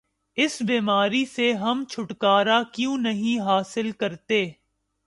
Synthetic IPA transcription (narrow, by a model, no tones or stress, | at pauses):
ɪsbiːmaːɾiseɦɐmt͡ʃʰʊʈkaːɾakjũːnɐɦĩɦaːsɪlkɐɾt̪eː